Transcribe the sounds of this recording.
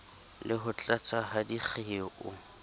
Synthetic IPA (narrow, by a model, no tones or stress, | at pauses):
lɪɦʊt͡ɬʼat͡sʼaɦadiχʰeʔʊ